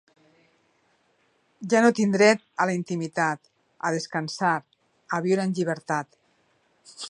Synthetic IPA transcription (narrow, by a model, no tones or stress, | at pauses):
ʒanot̪ind̪ɾɛt̪̚alaint̪imit̪at̪ | að̞eskansaɾ | aβ̞iwɾəenʲʎiβ̞əɾt̪at̪